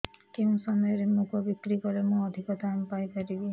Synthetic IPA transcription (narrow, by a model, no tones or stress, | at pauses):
keũsɔmjɔɾemukʰɔbikɾikɔɾemũɔd̪ʱikɔt̪aːmpajkɔɾibi